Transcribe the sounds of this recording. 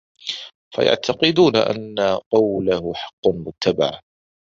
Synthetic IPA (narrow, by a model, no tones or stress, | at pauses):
fa̰ja̰ʕt̪ʰɑqɨd̪uːnaʔa̰nːaqɑwlahʊħɑ̥qːɑmʊt̪ːaba̰ʕ